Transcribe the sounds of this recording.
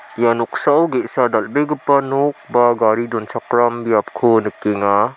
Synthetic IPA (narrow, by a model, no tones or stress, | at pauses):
janoksawɡesadalbeɡɯpːɐnok̚baɡaɾidonsʰakɾambijap̚kʰɯnɯkːeŋa